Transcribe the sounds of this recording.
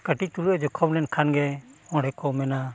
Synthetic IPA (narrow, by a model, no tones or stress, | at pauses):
kəʈit̪uluɛd͡ʒɔkʰɔbnɛnkʰanɡɛɔ̃ɽɛkʰɔmɛna